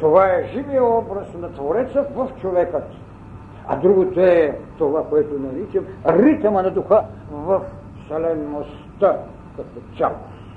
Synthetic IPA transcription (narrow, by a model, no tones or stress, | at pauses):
t̪ovaɛʒivijɔbɾɐsnɐt̪voɾɛt̪səvɐft͡ʃovɛkət̪ | a̰d̪ɾuɡot̪oɛt̪ovakoɛt̪onɛnit͡ʃɛmɾit̪mɐnɐd̪uxa | vɐf | sɛlɛnːos | t̪a | kat̪ot̪sʲɛlˠ